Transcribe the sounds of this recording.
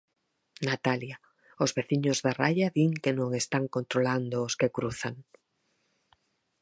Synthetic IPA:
nat̪alja | ozβeθiɲozðarajaβiŋkenõŋest̪aŋkont̪ɾoland̪oːskekɾuθaŋ

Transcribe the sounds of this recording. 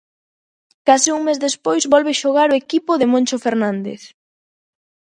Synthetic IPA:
kasɪuŋmezðespojzβɔlβeʃoɣ̞aɾoekipʊðemõnʲt͡ʃofeɾnãnd̪ḛθ

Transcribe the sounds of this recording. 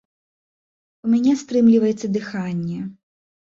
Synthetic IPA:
umʲanʲɛst̪ɾɨmlʲivɐjɛt̪sːɐd̪ɨxanʲːɛ

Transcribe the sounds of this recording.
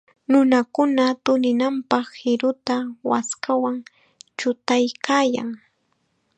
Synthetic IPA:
nʊnakʊnat̪ʊnɪnampɑχhɪɾʊt̪awa̰skawaŋ | t͡ʃʊt̪ajkaːja̰ŋ

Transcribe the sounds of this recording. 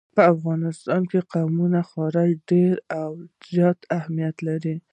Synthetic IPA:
pəafɣɑnɪst̪ɑnkeqawmunaxɑɾɪd͡ʒɖeɾawz̥jɑt̪ahmijat̪laɾi

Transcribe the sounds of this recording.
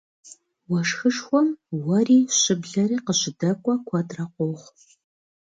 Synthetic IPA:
wɐʂxɨʂxʷɔmwɐriːɕɪbɮɐɾiːqəɕɪdɐkʷʼɔkʷʰɐtʼrɐqʷoχʷ

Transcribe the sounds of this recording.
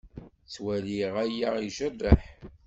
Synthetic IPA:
t͡swæliʁæjaiʒərːəħ

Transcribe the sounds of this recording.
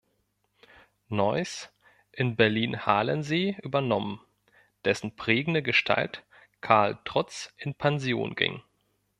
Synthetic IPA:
nɔʏs | ʔɪnbɛɐliːnhaːlənzeːʔyːbɐnɔmən | d̥ɛsn̩pʁ̥eːɡŋ̩dəɡəʃtʰa̰lt | kʰaɐltʁ̥ɔt͡sʔɪnpʰanzjo̰ːnɡɪ̰ŋ

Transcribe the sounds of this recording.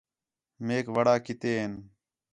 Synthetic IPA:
meːkʋəɽaːkɪt̪eːɦen

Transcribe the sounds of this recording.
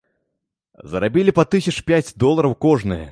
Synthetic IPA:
zɐɾabʲilʲipat̪ɨsʲɐt͡ʂpʲat͡sʲd̪ɔlˠɐɾɐwkɔʐnɨjɛ̰

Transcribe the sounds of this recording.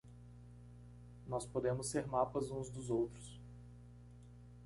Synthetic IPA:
nɔspod̪ẽmʊseɾmapɐzũzd̪ʊzowt̪ɾʊs

